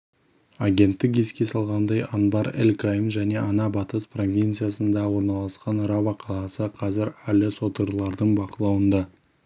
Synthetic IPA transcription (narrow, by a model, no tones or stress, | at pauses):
aɡʲe̞nt̪ːɪk̬e̞skʲe̞sɑlˠʁɑnd̪ɑjɑnbɑɾḛlkamʒæne̞ʔɑnɑbɑt̪əspro̞vʲijnt̪sɨjasənd̪ɑwo̞ɾnɑlˠɑsqɑnɾɑvɑqʰɑlˠɑsəqʰɑzɪɾælɪso̞t̪əɾlˠɑɾd̪əɴbɑqəlˠɑwənd̪ɑ